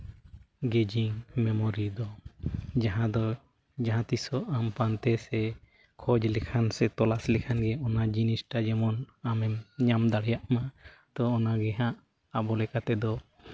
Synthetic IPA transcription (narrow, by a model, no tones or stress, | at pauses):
ɡɛd͡ʒiŋmɛmɔɾid̪ɔ | d͡ʒaɦãd̪ɔ | d͡ʒaɦãt̪isɔʔampant̪ɛsɛ | kʰɔd͡ʒlɛkʰansɛt̪ɔlaslɛkʰanɡɛɔnad͡ʒinisʈad͡ʒɛmɔnamɛmɲamd̪aɽjaʔmat̪ɔːnaɡɛɦãʔ | abɔlɛkat̪ɛd̪ɔ